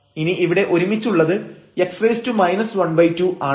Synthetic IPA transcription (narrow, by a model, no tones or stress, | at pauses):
iniʔiʋiɽe̞ʔo̞ɾumit͡ɕːuɭːɐðɨe̞ksrɐjstumɐjnɐsʋɐɳbɐjtːuʔaː